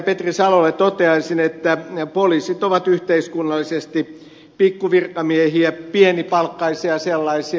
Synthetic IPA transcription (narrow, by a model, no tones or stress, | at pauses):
pet̪risɑlolːet̪ot̪eɑisinet̪ːæpoliːsit̪oʋɑt̪yht̪eiskunːɑlːisest̪i | pikːuʋirkɑmiehiæpienipɑlkːɑisiɑselːɑisi